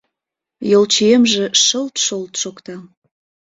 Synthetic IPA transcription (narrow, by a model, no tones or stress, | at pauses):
jolt͡ɕiemʒĕʃəlt̪ʃəlt̪ʃokt̪ɑ